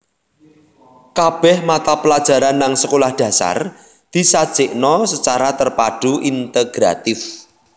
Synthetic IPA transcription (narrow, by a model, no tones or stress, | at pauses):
kab̥ɛhmat̪apəlad̥ʒ̥a̤ɾanːaŋsəkolahd̪̥a̤sa̰r | d̪̥i̤sad̥t͡ʃɪʔnɔsət͡ʃaɾat̪ərpaɖ̥uʔint̪eɡ̥ɾa̰t̪ɪf